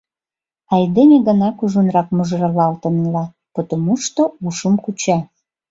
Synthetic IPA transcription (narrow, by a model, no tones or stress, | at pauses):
ɑjd̪enʲeɣənɑkuʒunrɑkmuʒɾɑlɑlt̪ə̆nlɑ | pot̪omuʃt̪ouʃəmkut͡ɕɑ